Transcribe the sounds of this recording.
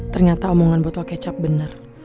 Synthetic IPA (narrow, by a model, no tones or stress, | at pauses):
t̪ərɲat̪aumoŋanbɔt̪ɔkɛt͡ʃap̚bənər